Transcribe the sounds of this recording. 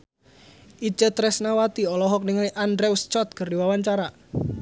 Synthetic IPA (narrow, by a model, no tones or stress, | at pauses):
ʔit͡ʃət̪ɾɛsnawat̪iɔlɔɦɔk̚niŋaliʔandɾewst͡ʃɔt̪̚kərdiwawaɲt͡ʃaɾa